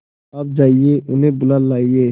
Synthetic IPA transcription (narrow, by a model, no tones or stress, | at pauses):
aːp̚d͡ʒaːieːʔʊnɦẽːbʊlaːlːaːieː